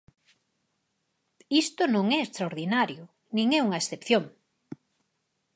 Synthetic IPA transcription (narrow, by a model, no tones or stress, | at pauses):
ist̪ʊnõŋɛest̪ɾaoɾðinaɾjʊ | nĩŋɛuŋɐesθepθjoŋ